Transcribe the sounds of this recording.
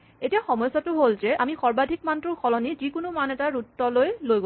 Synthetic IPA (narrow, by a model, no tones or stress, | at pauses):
etiaxɔmɔjsːatʊɦolzɛʔamixɔɹbadʱik̚mantʊɹxɔlɔnizikʊnumanɛtaɹutːɔlojlojɡo